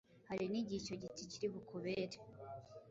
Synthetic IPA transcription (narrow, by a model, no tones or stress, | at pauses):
haɾiniɟico̞ɟiticiɾiβukuβeɾe